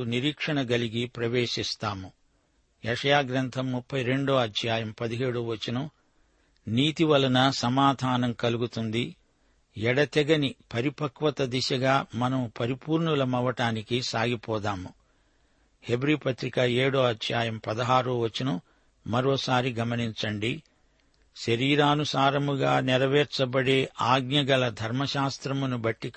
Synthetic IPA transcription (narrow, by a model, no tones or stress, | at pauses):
niɾiːkʂɐɳɐɡɐliɡipɾɐʋeːʂist̪aːmu | ɛʂɐjaːɡɾɐnt̪ʰɐmːupʰːɐjɾe̞ɳɖoːɐd̪jaːjɐmpɐd̪iɦeːɽuːʋɐt͡ʃːinɐm | niːt̪iʋɐlɐnɐsɐmaːd̪ʱaːnɐmkɐluɡut̪und̪i | ɛɽɐt̪ɛɡɐnipɐɾipɐkʋɐt̪ɐd̪iʃɐɡaːmɐnɐmupɐɾipuːɾɳulɐmɐʋɐʈaːnikisaːɡipɔːd̪aːmu | he̞bɾiːpɐt̪ɾikɐeːɽoːɐd̪jaːjɐmpɐd̪ɐɦaːɾuʋɐt͡ʃːinɐm | mɐɾɔːsaːɾiɡɐmɐniɲt͡ʃɐɳɖi | ʃɐɾiːɾaːnusaːɾɐmuɡaːniɾɐʋɛːɾt͡ʃɐbɐɽeːʔaːɡɲɐɡɐlɐd̪ʱɐɾmɐʃaːst̪ɾɐmunubɐʈːik